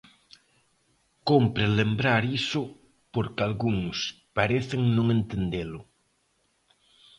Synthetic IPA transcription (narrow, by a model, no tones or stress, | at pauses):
kompɾelembɾaɾisʊ | poɾkalɣuŋs | paɾeθeŋnõŋent̪end̪elʊ